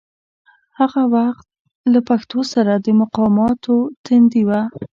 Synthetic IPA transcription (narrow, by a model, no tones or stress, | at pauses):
haɣawaxt̪̚ | lapaxt̪osaɾad̪əmʊqɑmɑt̪ʰot̪ɪnd̪iwa